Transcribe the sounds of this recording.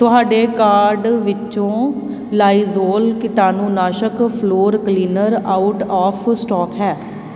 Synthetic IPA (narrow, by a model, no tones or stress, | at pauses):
t̪ʊɦaːɖeːkaːɾɖʋɪt͡ʃõː | laːiːzoːlkɪʈaːnũːnaːʃəkpʰloːɾkliːnəɾaːʊʈaːpʰsʈɔːkɦɛː